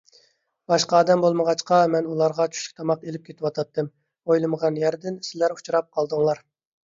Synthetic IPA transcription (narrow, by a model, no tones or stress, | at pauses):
b̥ɑʃqɑːd̪ɛmbolˠməʁɑt͡ʃqʰɑmɛnulˠɑɾʁɑt͡ʃʰy̥ʃy̥kʲt̪ʰɑmɑqelɪp̚kʲʰet̪ʰɪwɑt̪ʰɑt̪ʰːɨm | ojlˠɨməʁɑnjæɾd̪ɪnsɪlæɾut͡ʃʰɾɑp̚qʰɑlˠd̪ɨŋlˠɑɾ